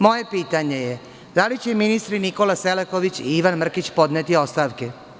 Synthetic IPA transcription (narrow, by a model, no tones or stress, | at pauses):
mo̞je̞piːt̪aɲe̞je | d̪alit͡ɕeminist̪ɾiniko̞laselekoʋit͡ɕiiʋanmr̩kit͡ɕpo̞d̪neːt̪io̞st̪aːʋke